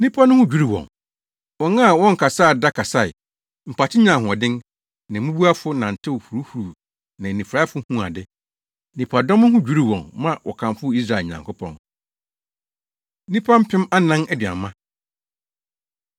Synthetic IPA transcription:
nĩ˦pʰa˦nʊ̃˦hʊ̃˦d͡ʑᶣu˦ɾi˦wɔ̰̃˨n | wɔ̃˨na˦˨wɔ̃˦ŋ̩˨kʰa˨sa˦˨da˦kʰa˨sa˦˨ɪ˨ | m̩˨pʰa˨tʰɪ˦ɲã˨ɦʊ̃˨ɔ˨dɪ̃˦n | nã˨mũ˦bu˦a˦fʊ˦nã˨n̩˨tʰɪ˦˨hu˨ɾu˦hu˨ɾu˨ | nã˨nĩ˨fɾa˦fʊ˦hũ˦a̰˨dɪ˦ | nĩ˨pʰa˨dɔ̃˦m˦hʊ̃˦d͡ʑᶣu˦ɾi˦˨wɔ̃˨nmã˦wʔɔ̰˨kʰã˨mfʊ˦i˦s̬ɾa˦˨e˨ɲã̰˨ŋkʰʊ˦pʰɔ̰̃˨n | nĩ˦pʰã˦m̩˦pʰɪ̃˦ma˦nã˦nɛ˦dɥa̰˨mːã˦

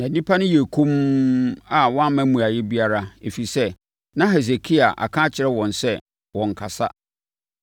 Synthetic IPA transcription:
nã˨nĩ˦pʰa˦nʊ̃˦je˨kʰũ˦m | a˨wɔ̃˦a˦mæ̃˦mũ˨a˨jɪ˦bi˦a˦ɾa˦e˨fi˨sɛ˦ | nã˦ɦɛ˨s̬e˨kʰi˦a˨ʔa̰˨kʰã˦t͡ɕʰɪ˨ɾɛ˦wɔ̃˨nsɛ˦ | wɔ̃˨ŋ̩˨kʰa˨sa̰˦

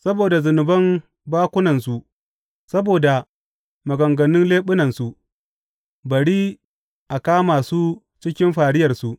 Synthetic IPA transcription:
sɐ˦boː˨da˨zʊ˨nʊ˨bɐ˦m | baː˦kʷʊ˦nɐ˨nsu˨ | sɐ˦boː˨da˨ | mɐ˨ɡɐ˨ŋɡɐ˨nɪ˦nleː˦ɓʊ˦nɐ˨nsu˨ | bɐ˨ɽiː˦ | ʔa˨kaː˦maː˨suː˦ | t͡ʃɪ˦kʲɪ˦mɸaː˨ɽɪ˦jɐ˨rsu˨ʔ

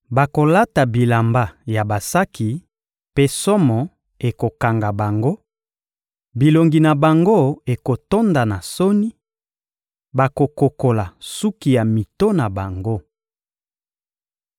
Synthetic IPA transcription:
ba˨ko˨la˦ta˨bi˨la˨mba˦ja˨ba˨sa˦kʰi˨ | pe˦sɔ˦mɔ˨ | e˨ko˨ka˨ŋɡa˨ba˨ŋɡo˦ | bi˨lo˨ŋɡi˨na˨ba˨ŋɡo˦e˨ko˨to˦nda˨na˨so˦ni˦ | ba˨ko˨ko˨ko˨la˨su˦ki˨ja˨mi˨to˦na˨ba˨ŋɡo˦

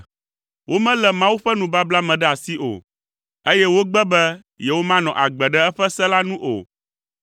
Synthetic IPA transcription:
wʔo˦mɛ̃˦lɛ˨mã˦wu˦ɸɛ˦nũ˨ba˦bla˦mɛ̃˨ɖɛ˦a˨si˦ʔo̰˨ | e˦jɛ˦wo˦ɡ͡bɛ˦bɛ˦ | jɛ˨wo˦mã˦nɔ̰̃˨ʔa˨ɡ͡bɛ˨ɖɛ˦ɛ˦ɸɛ˦sɛ˦la˦nũ˦ʔo̰˨

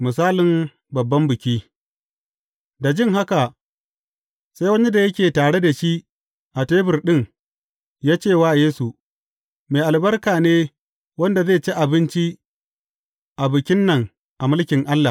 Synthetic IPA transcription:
mɪ˨saː˦lɪ˨m | bɐ˨bːɐ˦mbɪ˨kʲiː˦ | da˨d͡ʒɪ˦˨ŋɦa˦ka˨ | sa˦jwɐ˦ni˦da˨jɐ˦kʲeː˨taː˨ɽe˦da˨ʃi˦ʔ | ʔa˨teː˦bɪ˨rɗɪ˦˨ŋ | jaː˦t͡ʃeː˦˨waː˦˨jeː˦su˨ | meː˨ʔa˨lbɐ˦rkaː˨neː˦ | wɐ˦nda˨zeː˦˨t͡ʃi˦ʔa˨bɪ˦nt͡ʃi˦ | ʔa˨bɪ˨kʲɪ˦nːɐ˨ŋ | ʔa˨mʊ˦lkʲɪ˨ŋʔa˦lːa˨

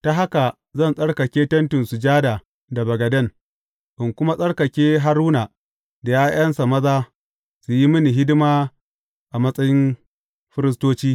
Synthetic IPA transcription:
ta˦ɦa˦ka˨ | zɐ˦˨nsʼɐ˦ɽkɐ˨kʲeː˦tɐ˦ntʊ˨nsu˨d͡ʒaː˦da˨ | da˨bɐ˨ɡɐ˨dɐ˦n | ʔɪ˨ŋkʷʊ˦ma˦sʼɐ˦ɽkɐ˨kʲeː˦ɦa˦ɾuː˦na˨ | da˨jaː˦ʔɐ˦nsa˨mɐ˦zaː˦ | su˨ji˦mɪ˦ni˨ɦɪ˦dɪ˦maː˦ | ʔa˨mɐ˦sʼɐ˦jɪ˦n | ɸɪ˦ɾɪ˦s̬toː˦t͡ʃiː˦

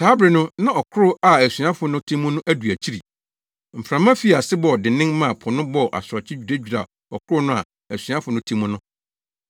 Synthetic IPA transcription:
tʰaː˦bɾɪ˨nʊ̃˦nã˦˨ɔ˨kʰʊ˦ɾʊ˦a˨æ˨sɥã˦fʊ˨nʊ̃˦tʰĩ˦mʊ̃˦nʊ̃˦ʔæ˦du˨æ˨t͡ɕʰi˦ɾi˨ | m̩˨fɾã˨mã˦fi˦˨a˨sɪ˦bɔ˨dɪ˨nɪ̃˦ŋmã˦˨pʰʊ˨nʊ̃˦bɔ˦˨ʔa̰˨sɔ˨t͡ɕʰɪ˦d͡ʑᶣu˨da˦d͡ʑᶣu˨ɾa̰˨ | ɔ̰˨kʰʊ˦ɾʊ˦nʊ̃˦a̰˨ | æ˨sɥã˦fʊ˨˦nʊ̃˦tʰĩ˦mũ˦nʊ̃˦

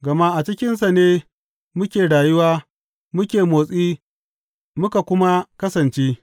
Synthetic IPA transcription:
ɡɐ˨ma˦ʔa˨t͡ʃɪ˦kʲɪ˦ns̬a˨neː˦ | mʊ˦kʲeː˨ɽaː˨jʊ˦waː˦ | mʊ˦kʲeː˨moː˨sʼiː˦ | mʊ˦ka˨kʷʊ˦ma˦kɐ˦sɐ˨nt͡ʃeː˦

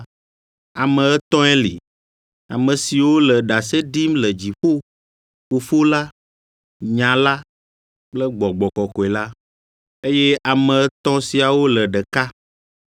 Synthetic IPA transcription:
a˨mə̃˨ɛ˦t̪ɔ̃˦ɛ˦lḭ˨ | a̰˨mə̃˨si˨wo˦lə˨ɖa˨se˦ɖi˦mlə˨d͡ʑi˨ɸo˦ | ɸo˨fo˦la˦ | ɲã˨la˦ | k͡plə˦ɡ͡bɔ˨ɡ͡bɔ˨kɔ˨kɔ˨ɛ˨la˦ | e˦je˦ʔa˨mɛ̃˨ɛ˦t̪ɔ̃˦si˨a˨wo˦lə˨ɖə˨ka˦

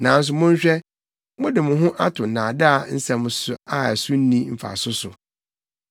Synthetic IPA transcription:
nã˨˦n̩˦s̬ʊ˨mʊ̃˦ɲ̩˦ɕᶣɛ˦ | mʊ̃˦dɪ˨mʊ̃˨ɦʊ̃˦ʔa˦tʰʊ̃˨nãː˨da˦a˨n̩˦sɛ̃˨m˨sʊ˨a˦ɛ˨sʊ˦n̩˦nĩ˦m̩˨fa̰˨sʊ˦sʊ˨

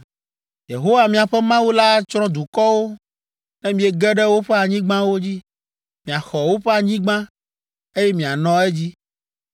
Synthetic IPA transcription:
je˨ɦo˦wa˨mĩ˨a˨ɸɛ˦mã˦wu˦la˦t͡ʃɾɔ̃˦d̪u˨kɔ˦wo˦ | nɛ̃˦mĩ˨ɛ˨ɡɛ˦ɖɛ˦wo˦ɸɛ˦a˨ɲĩ˦ɡ͡bã˦wo˦d͡ʑi˦ | mĩ˨a˨xɔ˨wo˦ɸɛ˦a˨ɲĩ˦ɡ͡bã˦ | e˦jɛ˦mĩ˨a˨nɔ̃˦ɛ˦d͡ʑi˦

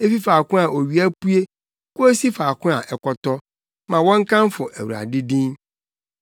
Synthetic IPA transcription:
e˦fi˦faː˨kʊ̃˦a˨ʔo˨ɥi˨˦æ˦pu˦e˦ | kʊ˦e˦si˦fa˨kʰʊ̃˦a˨ʔɛ˨kɔ˨tɔ˦ | mã˨wɔ̃˦ŋ̩˦kʰã˦m˦fʊ˨ʔæ̰˨wṵ˨a̰˨dɪ˦dĩ˦n

